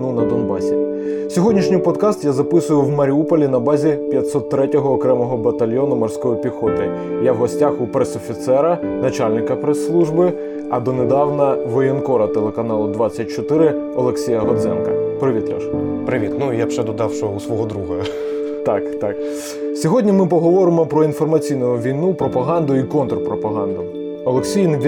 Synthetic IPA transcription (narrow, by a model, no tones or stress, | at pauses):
nunɐd̪ɔnbɑsʲi | sʲɔɦɔdʲnʲiʃnʲɪjpɔd̪kɑst̪jazɐpɪsʊjʊwmɐɾʲiupɔlʲinɐbɑzʲipʲjɐt̪ʲsɔt̪ːɾɛtʲɔɦɔːkɾɛmɔɦɔbɐt̪ɐlʲjɔnʊmɔrsʲkɔjɔpʲixɔt̪ɪ | jawɦɔsʲtʲaxʊpɾɛsɔfʲit̪sɛɾɐnɐt͡ʃalʲnɪkɐpɾesːlˠuʒbɪ | ɐd̪ɔned̪ɑwnɐʋɔjɔnkɔɾɐt̪elˠekɐnɑlˠʊd̪ʋɑt͡sʲːɐt̚ʲt͡ʃɔt̪ɪɾɪ | ɔlˠeksʲijɐɦɔd̪zɛ̰nkɐpɾɪʋʲit̪ɾʲɐʃpɾɪʋʲit̪nujabʒɛd̪ɔd̪ɑwʃɔusʋɔɦɔd̪ɾuɦɐ | t̪ɑkt̪ɑk | sʲɔɦɔdʲnʲimɪp̬ɔɦɔʋɔɾɪmɔpɾɔinfɔrmɐt͡sʲijnʊʊʋʲijnupɾɔpɐɦɑnd̪ʊikɔnt̪rpɾɔpɐɦɑnd̪ʊ | ɔlˠeksʲijnbʲ